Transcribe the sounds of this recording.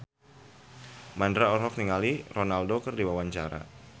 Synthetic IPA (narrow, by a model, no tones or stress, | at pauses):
mandɾaɔrɦɔk̚niŋalironaldokərdiwawaɲt͡ʃa̰ɾa̰